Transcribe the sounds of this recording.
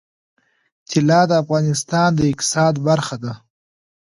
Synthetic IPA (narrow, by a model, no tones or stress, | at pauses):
t͡ʃ̪ʰɪlɑːd̪əafɣɑːnɪst̪ɑːnd̪əɪk̚t̪ɪ̥sɑːd̪baɾxad̪a